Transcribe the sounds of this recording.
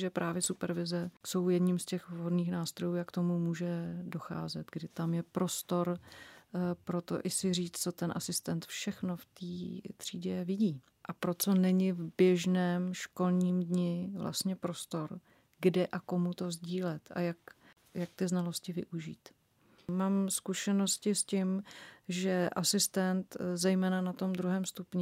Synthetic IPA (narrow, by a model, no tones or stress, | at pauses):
ʒɛpɾʔaːvjɛsupɛɾvɪzɛso̞wjɛdɲimscɛxvɦo̞dniːxnaːst̪ɾojuːjakt̪o̞mumuːʒɛdo̞xa̰ːzɛt̪ɡdɪt̪amjɛpɾo̞st̪o̞ɾ | pɾo̞t̪o̰ʔɪsɪriːt͡st͡so̞t̪ɛnʔasɪst̪ɛnt̪fʃɛxno̞ft̪iːt̪r̝̥iːɟɛvɪɟiː | ʔapɾo̞t͡so̞nɛɲɪvbjɛʒnɛːmʃko̞lɲiːmdɲɪvla̰st̪ɲɛpɾo̞st̪o̞ɾ | ɡdɛʔako̞mut̪o̞zɟiːlɛt̪a̰jak | jak̚t̪ɪznalo̞scɪvɪ̰ʔuʒiːt̪ | maːmskuʃɛno̞scɪscɪmʒɛʔasɪst̪ɛnt̪zɛjmɛːnanat̪o̞md̪ɾuɦɛːmst̪upɲɪ